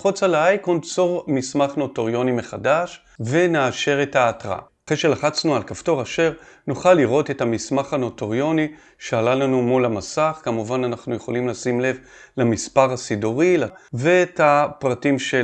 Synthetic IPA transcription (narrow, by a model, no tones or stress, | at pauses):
χut͡saleajkont͡soʁmismaχno̞toʁjo̞nime̞χadaʃ | ve̞neaʃe̞ʁe̞thaːtʁa̰aχejʃe̞laχat͡snualkafto̞ʁaʃe̞ʁnuχalːiʁo̞te̞thamismaχano̞toʁjo̞ni | ʃealalanumulamasaχkamuvananaχnuje̞χo̞limlasimle̞v | lamispaʁasidoʁilavetapʁatimʃe